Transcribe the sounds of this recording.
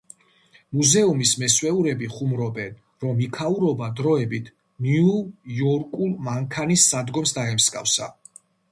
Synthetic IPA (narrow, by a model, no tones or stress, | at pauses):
muzɛumismɛswɛuɾɛbiχumɾɔbɛn | ɾɔmikʰauɾɔbad̪ɾɔɛbit̪ʰ | niujɔɾkʼulˠmaŋkʰanisːad̪ɡɔmsd̪aɛmskʼa̰fsa̰